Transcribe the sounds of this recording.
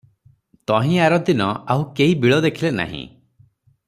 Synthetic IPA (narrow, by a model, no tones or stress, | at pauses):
t̪ɔɦĩaɾɔd̪inɔaɦukeɦibiɭɔd̪ekʰilena̰ɦḭ̃